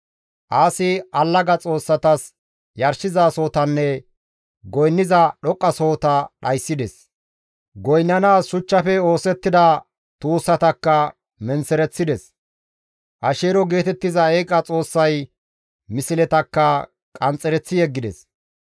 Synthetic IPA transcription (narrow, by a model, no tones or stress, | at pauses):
ʔaːsɪɐlːɐɡɐt͡sʼo̞ːsːɐt̪ɐs | jɐɾsɪzaːso̞ːt̪ɐnːɛ | ɡɔjnːɪzɐɗɔkʼːɐso̞ːt̪ɐɗɐjsːɪd̪ɛs | ɡɔjnːɐnaːsʃʊt͡ʃːɐfɛoːsɛt̪ːɪd̪ɐ | t̪uːsːɐt̪ɐkːɐ | mɛnsɛɾɛt͡sːɪd̪ɛs | ʔɐʃeːɾɔɡe̞ːt̪ɛt̪ːɪzɐɛjkʼːɐt͡sʼo̞ːsːɐj | mɪsɪlɛt̪ɐkːɐ | kʼɐnt͡sʼːɛɾɛt͡sːɪjɛɡːɪd̪ɛs